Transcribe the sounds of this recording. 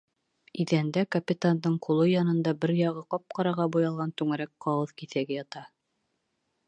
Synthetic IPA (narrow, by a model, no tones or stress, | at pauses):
iðænd̪ækɐpʲɪt̪and̪ɤɴqʰulˠɤjɑnɤ̆nd̪ɑbɘɾjɑʁɤqɑp̚qɑɾɑʁɑbujɑlˠʁɑnt̪ʉŋæ̆ɾæk̚qɑwɤðkiθæɡɘjɑt̪ɑ